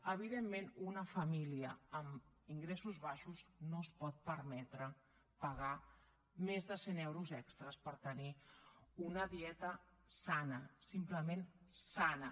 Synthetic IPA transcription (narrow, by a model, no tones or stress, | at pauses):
əβ̞iðemːenunəfəmiliəːm | iŋɡɾesuzβaʃuznospɔt̪̚pəɾmɛt̪ɾə | pəɣa | mezðəsenɛwɾuzɛkst̪ɾəspəɾt̪əniunəðiɛt̪ə | sanəsimpləmensanə